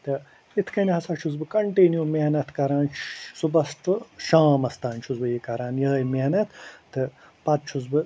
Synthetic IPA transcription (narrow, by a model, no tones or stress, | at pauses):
t̪ɨ | it̪ʰkɐnihɐsaːt͡ʃʰuzbɨkɐɳʈiːnjumeɦnɐt̪kɐɾaːnsubɐsʈɨʃaːmɐst̪aːnt͡ʃʰuzbɨjikɐɾaːnjɐːmeɦnɐt̪ʰːɨ | pɐd̪̚t͡ʃʰuzbɨ